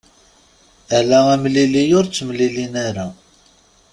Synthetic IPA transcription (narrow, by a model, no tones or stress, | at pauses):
ælææmlilijʊɾt͡sːmlilinæɾæ